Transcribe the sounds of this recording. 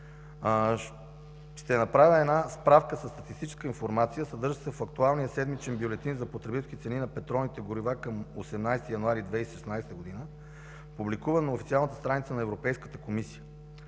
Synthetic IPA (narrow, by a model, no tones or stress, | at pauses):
ʃt̪ɛnɐpɾavʲəɛnaspɾafkəsəst̪ɐt̪ist̪it͡ʃɛ̥skəinfoɾmat̪sijəsɐd̪ɤɾʒəsɛfɐkt̪ualˠnijəsɛd̪mit͡ʃɛnbjolɛt̪inzɐpot̪ɾɛbit̪ɛlkʲit̪sɛninɐpɛt̪ɾɔnit̪ɛɡʊɾivakəmosɛmnajst̪ijɐnuaɾid̪vɛiʃɛsnajst̪əɡod̪inə | publikuvənɐofit̪sialˠnət̪əst̪ɾanit̪sənɐɛvɾopɛjskət̪əkomisijə